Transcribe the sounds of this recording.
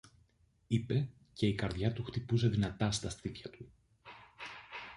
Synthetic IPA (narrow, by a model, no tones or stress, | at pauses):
ipe̞ | ce̞ikɐɾðʝɐt̪uxt̪ipus̬e̞ðinɐt̪ɐst̪ɐst̪it̪çɐt̪u